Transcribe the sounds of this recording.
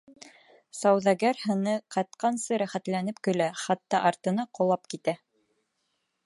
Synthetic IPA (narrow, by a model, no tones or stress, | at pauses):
sɑwðɑɡæɾhɤ̆nɤqɑt̪̚qɑnsɤɾæχæt̪lænɘpkɵ̆læχɑt̪ːɑʔɑɾt̪ɤ̆nɑqŏlˠɑp̚kit̪æ